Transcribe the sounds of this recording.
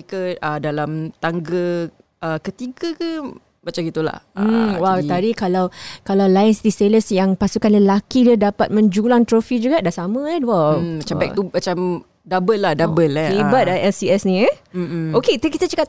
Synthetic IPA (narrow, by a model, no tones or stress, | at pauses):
kəədalamt̪aŋɡə | əkət̪iɡəkə | mat͡ʃaŋɡit̪ula̰hm̩wawt̪adikalawkalawlajənsdiseləsjaŋpasukanləlakidiadapat̪̚mə̃ɲd͡ʒulaŋt̪ɾofid͡ʒuɡadaʔsamə̃aduaːat͡ʃambɛkt̪umat͡ʃam | dabəllːahdabəlibat̪̚aɛlsiɛsnĩ | okekit̪əkit̪at͡ʃəka